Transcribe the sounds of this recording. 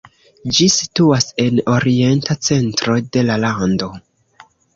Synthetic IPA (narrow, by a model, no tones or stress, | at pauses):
d͡ʒisi̥tuase̞no̞ɾie̞ntat͡se̞ntɾo̞de̞lalando̞